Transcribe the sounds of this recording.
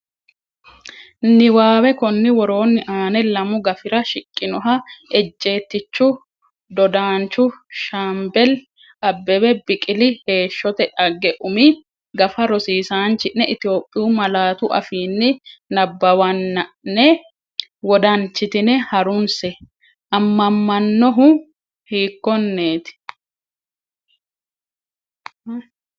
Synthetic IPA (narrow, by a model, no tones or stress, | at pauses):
nɪwaːwɛkɔnːɪwɔɾo̞ːnːɪʔaːnɛlɐmʊɡɐfɪɾɐʃɪkʼːɪnɔɦɐɛd͡ʒʼːe̞ːt̪ːɪt͡ʃːʊ | d̪ɔd̪aːnt͡ʃːʊʃambɛl | ɐbːɛbɛbɪkʼɪlɪhe̞ːʃːɔt̪ɛᶑɐɡːɛʔʊmɪ | ɡɐfɐɾɔsiːsaːnt͡ʃːɪnːɛʔɪt̪ɪjo̞ːpʼːɪjumɐlaːt̪ʊʔɐ̰fiːnːɪnɐbːɐwɐnːɐɛ | wɔd̪ɐnt͡ʃːɪt̪ɪnɛhɐɾʊnsɛ | ʔɐmːɐmːɐnːɔɦʊ | hiːkːɔnːe̞ːt̪ɪ̥